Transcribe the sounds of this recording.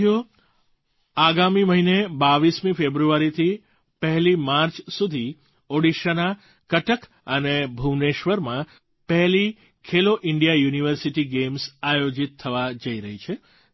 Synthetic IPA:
jo | aɡamiməɦinebaʋismĩfebɾuʋaɾit̪ʰi | pəɦlimaɾt͡ʃsud̪ʱi | oɽiʃəna | kəʈək | ənebʱuʋneʃʋəɾmã | pɛɦli | kʰeloʔɪɳɖijajuniʋəɾsiʈiɡemsajod͡ʒit̪ʰːəʋad͡ʒəiɾəɦit͡ʃʰe

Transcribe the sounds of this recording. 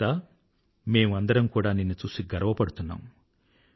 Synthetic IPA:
aː | me̞ːmuɐnd̪ɐɾɐmkuːɽaːninːut͡ʃuːsiɡɐɾɐʋɐpɐɽut̪unːa̰ːm

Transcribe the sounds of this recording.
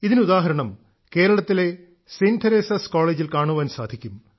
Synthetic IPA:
iðinuðaːɦɐɾɐɳɐm | ke̞ːɾɐɭɐt̪ːile̞ | sint̪ʰɐɾeːsɐskoːɭeːd͡ʑilkaːɳuʋɐːnsaːd̪ʱikʲːum

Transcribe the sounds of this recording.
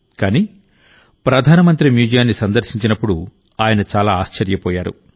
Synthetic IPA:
kaːniː | pɾɐd̪ʱaːnɐmɐnt̪ɾimjuːd͡ʒɐjaːnːisɐnd̪ɐɾʃiɲt͡ʃinɐpːuɽu | aːjɐnɐt͡ʃaːlaːaːʃt͡ʃɐɾjɐpɔːjaːɾṵ

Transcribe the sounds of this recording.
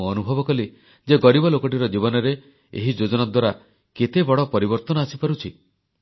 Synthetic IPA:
ɔnubʱɔbɔkɔli | d͡ʒeɡɔɽibɔlokɔʈ̬iɾɔd͡ʒibɔnɔɾe | ḛɦid͡ʒod͡ʒɔnad̪waɾa | ket̪ebɔɽɔpɔɾibɔɾt̪ɔnɔasipaɾut͡ʃʰi

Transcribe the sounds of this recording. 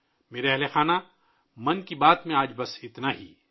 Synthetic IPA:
meːɾeɛɦlexaːna | mɐ̃nkibaːt̪mẽaːd͡ʒbɐsɪt̪naɦiː

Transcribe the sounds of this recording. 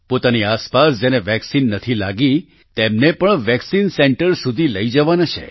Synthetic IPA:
pot̪aniaspasd͡ʒeneʋɛksinːət̪ʰilaɡi | t̪emnepəɳʋɛksinsɛɳʈəɾsud̪ʱiləid͡ʒəʋanat͡ʃʰḛ

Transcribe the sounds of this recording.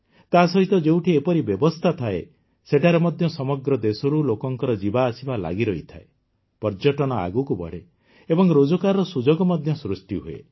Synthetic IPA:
t̪asɔɦit̪ɔd͡ʒewʈʰiepɔɾibjɔbɔst̪ʰat̪ʰae | seʈaɾemɔd̪ʱjɔsɔmɔɡɾɔd̪esɔɾulokɔŋkɔɾɔd͡ʒibaːsibala̰ɡiɾɔit̪ʰae | pɔɾd͡ʒɔʈɔñɔa̰ɡukubɔ̰ɽ̤e | ebɔŋɾod͡ʒɔkaɾɔɔsud͡ʒɔɡɔmɔd̪ʱjɔsɾusʈiɦuḛ

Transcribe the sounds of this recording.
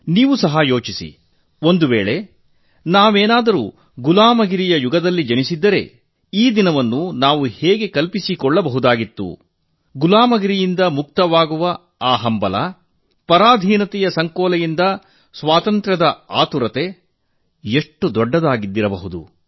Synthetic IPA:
niːʋusɐɦɐjo̞ːt͡ʃisḭ | o̞nd̪uʋeːɭe̞ | naːʋeːnaːd̪ɐɾṵː | ɡulaːmɐɡiɾijɐjuɡɐd̪ɐlːid͡ʒɐnisid̪ːɐɾe̞̰ | iːd̪inɐʋɐnːunaːʋuhɛːɡe̞kɐlpisikɔɭːɐbɐɦud̪aːɡit̪ːṵ | ɡulaːmɐɡiɾijind̪ɐmuk̚t̪ɐʋaːɡuʋɐ | aːɦɐmbɐlɐ̰ | pɐɾaːd̪ʱiːnɐt̪ɛjɐsɐŋkɔːlɐjind̪ɐ | sʋaːt̪ɐnt̪ɾɐd̪ɐaːt̪uɾɐt̪e̞ | eʂʈːud̪ɔɖːɐd̪aːɡid̪ːiɾɐbɐɦud̪ṵ

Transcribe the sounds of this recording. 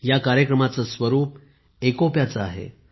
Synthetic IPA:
jakaɾjəkɾəmat͡səsʋəɾuːp | ekopjat͡saa̰ɦḛ

